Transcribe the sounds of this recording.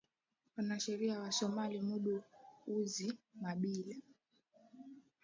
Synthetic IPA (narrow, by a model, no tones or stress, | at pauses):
wanaʃɛɾiawasɔmalimuɗuuzimaɓilɛ